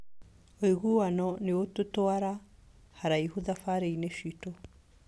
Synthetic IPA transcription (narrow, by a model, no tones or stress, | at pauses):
oiɣuwanɔneototoaɾa | haɾaiɦuðafaɾeinefito